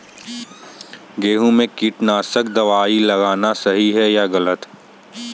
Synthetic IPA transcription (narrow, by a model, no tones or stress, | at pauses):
ɡeːɦũmẽkiːʈnaːsək̚d̪ɐʋaːilɐɣaːnasɐɦiɦɛjaɣɐlət̪